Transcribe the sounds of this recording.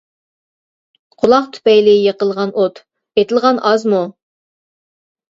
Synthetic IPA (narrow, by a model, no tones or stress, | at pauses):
qʰʊlˠɑqt̪ʰy̥pɛjlɪjeqəlˠʁɑnot̪ | et̪ʰɪlˠʁɑnʔɑzmu